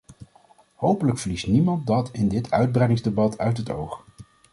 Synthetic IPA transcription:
howpələkfəɹlistnimɑntdɑtɪndɪtʰœ̰ɥd̚brɛjdɪŋzdebɑtʰœ̰ɥtɦəto̰wχ

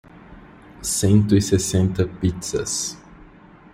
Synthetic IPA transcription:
sẽnt̪ʊisesẽnt̪ɐpit̪sɐ̰s

